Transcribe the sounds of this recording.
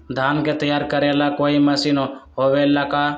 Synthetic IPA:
d̪ʱaːnket̪əjaːɾkəɾelakoːiməsiːnoɦoːʋelaːkaː

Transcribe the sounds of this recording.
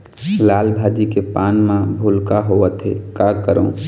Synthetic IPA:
laːlbʱaːd͡ʒikepaːnmãbʱulkaɦoʋət̪ɦḛkakəɾə̰̃

